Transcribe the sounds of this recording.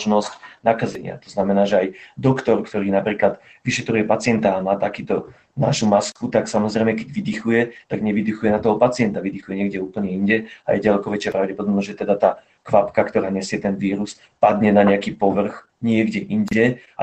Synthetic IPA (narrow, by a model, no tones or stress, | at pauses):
ʒnɔscnakazɛɲɪa̰t̪ɔznamɛnaːʒɛajd̪ɔkt̪ɔɾkt̪ɔɾiːnapɾiːklad̪ | ʋiʃɛt̪ɾujɛpat͡sɪɛnt̪aːmaːt̪akiːt̪ɔ | na̰ʃumaskut̪aksamɔzɾɛjmɛkɛɟʋid̪ixujɛt̪aɡɲɛʋid̪ixujɛnat̪ɔɦɔpat͡sɪɛnt̪aʋid̪ixujɛɲɪɛɡɟɛuːpl̩ɲɛinɟɛa̰jɛɟalɛkɔʋɛt͡ʃɪapɾaʊɟɛpɔd̪ɔbnɔʒɛt̪ɛd̪at̪aː | kʋapkakt̪ɔɾaːɲɛsɪɛt̪ɛnʋiːɾus | pad̪ɲɛnaɲɛakiːpɔʋr̩x | ɲɪɛɡɟɛʔiɲɟɛ | a